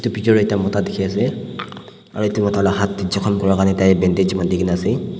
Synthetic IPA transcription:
itupitɔɹɔɛtiamɔtadekʰiasɛ | a̰ɹuetumɔtalaɦat̚ːizɔkʰɔmkɔɹakanɛtajbɛndezimandikʰinasɛ

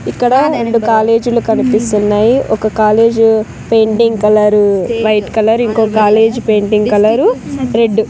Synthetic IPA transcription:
ikːɐɽɐɾe̞ɳɖukaːle̞ːd͡ʒulukɐnipist̪unːaːjiʔɔkɐkaːle̞ːd͡ʒu | pe̞jɳʈiŋɡkɐlɐɾuʋɐjʈkɐlɐɾiŋko̞ːkaːle̞ːd͡ʒpe̞ːɳʈiŋɡkɐlɐɾuɾe̞ɖːu

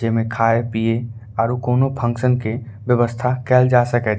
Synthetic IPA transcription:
emẽkʰaːepiːe | aːɾukoːnopʰə̃ŋkʃənke | ʋjəʋəst̪ʰakɛːld͡ʒaːsəkɛ

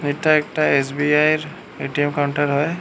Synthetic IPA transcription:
nitːaɛk̚ʈaesbiajɹ | eʈiɛmkawɳʈaɹɦɔj

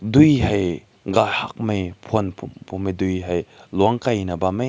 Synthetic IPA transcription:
dujɦaj | ɡahak̚mejpʰonpʰumpʰumejdujɦajlwaŋkajnɐbame

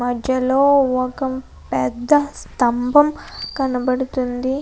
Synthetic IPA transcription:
mɐd̪ʱjɐloːɔkɐm | pɛd̪ːɐst̪ɐmbʱɐmkɐnɐbɐɽut̪und̪i

